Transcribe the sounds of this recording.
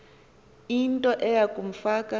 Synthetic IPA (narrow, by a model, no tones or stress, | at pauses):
intʼɔʔɛjakʼum̩faːkʼa